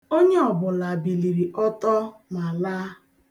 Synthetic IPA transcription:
o˦ɲe˦ɔ˨bʊ˨la˨bi˨li˨ɾi˨ʔɔ˦tɔ˦ma˨la˦

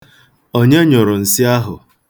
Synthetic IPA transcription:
o˦ɲe˦ɲʊ˨ɾʊ˨n̩˨sɪ˦a˦ɦʊ̰˨

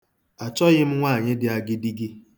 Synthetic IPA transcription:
a˨t͡ʃɔ˦ɣɪ˦m̩˦ŋʷaː˦˨ɲɪ˦dɪ˦a˨ɡɪ˦di˦ɡɪ˦

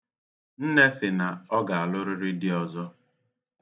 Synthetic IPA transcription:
n̩˦ne˦sɪ˨na˨ɔ˦ɡa˨a˨lʊ˦ɾʊ˦ɾɪ˦dɪ˦ɔ˨zɔ˦

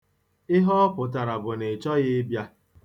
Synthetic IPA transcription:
ɪ˦ɦɔ˦pʊ˨t̬a˨ɾa˨bʊ˨ne˨t͡ʃɔ˦ɣɪ˦bja˦

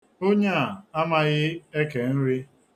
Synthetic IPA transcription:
o˦ɲa˦a˨a˦ma˦ɣɪ˦e˦ke˨n̩˦ɾi˦

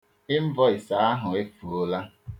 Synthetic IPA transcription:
ɪ˦m̩˦vɔ˦ɪ˨sa˨˦a˦ɦʊ˨e˦fu˨o˦la˦

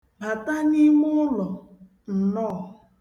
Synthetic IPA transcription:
ma˨ta˦ni˦mʊ˦lɔ˨ | n̩˨nɔ˦˨

